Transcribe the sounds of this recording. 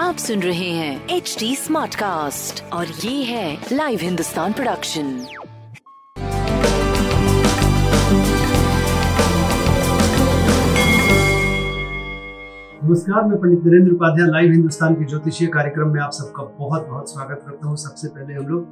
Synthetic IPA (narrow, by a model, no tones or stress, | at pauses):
aːpsʊ̃nɾɐɦeɦɛ̃ːeːt͡ʃʈiːsmaːɾʈkaːsʈɔːɾjeːɦɛ̃laːɪʋɦɪ̃nd̪ʊst̪aːnpɾoɖɐkʃə̃n | nɐməskaːɾmɛ̃pɐ̃ɳd͡ʒɪt̪nɐɾẽːnd̪ɾʊpaːd̪ʱjãlaːɪʋɦɪ̃nd̪ʊst̪aːnked͡ʒoːt̪iʃijəkaːɾjəkɾəmːẽaːpsɐb̚kabɐɦɔt̪̚bɐɦɔt̪swaːɡət̪̚kɐɾt̪aɦũsɐbsepɛɦleɦɐmloːɡ